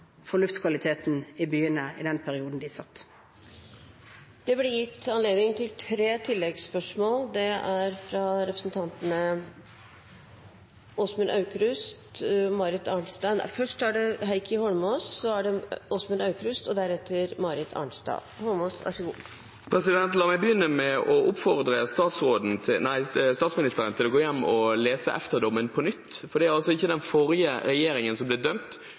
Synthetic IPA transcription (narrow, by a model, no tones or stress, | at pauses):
fɔɭʉft̪kʰʋɑlɪt̪ʰeːt̪n̩ɪbyːənəɪ̰d̪ɛnpʰæɾɪuːd̪n̩d̪ɪsɑ̰t̪ː | d̪̥ɛblɛjɪt̪ːɑnleːd̪nɪŋt̪ʰɪlt̪ʰɾeːt̪ʰɪlːɛɡspœʂmoːld̪ɛæɾfɾɑɾɛpɾəsnt̪ʰɑnt̪ənə | oːsmʉnʔɑʉkɾʉst̪mɑɾɪt̪ɑːɳst̪æn̰fœʂʈæɖɛɦæɪkʰəhɔlmɔːsːɔæɖɛoːsmʉnɑʉkɾʉst̪ɔd̪æɾɛt̪ʰːəɾmɑːɾɪt̪ʰːɑ̰ɳst̪ɑ̰ː | hɔlmosɑ̰ʂəɡuː | pʰɾɛsɪd̪ɛnt̪lɑːmæɪbəjʏnːəmɛʔɔʊpfɔʁd̪ɾəst̪ɑːt̪sɾoːd̪n̩ʰnæɪst̪ɑːt̪smɪnɪst̪əɾənt̪ʰɪlɔɡoːjɛnːɔleːsə̰ʔɛft̪əʁd̪ɔmːənpʰɔnʏt̪ːfɔɖ̪ɛæɾɑlsɔɪçːəd̪ɛnfɔɾɪəɾɛjeːɾɪŋənsɔmblɛd̪œmt̪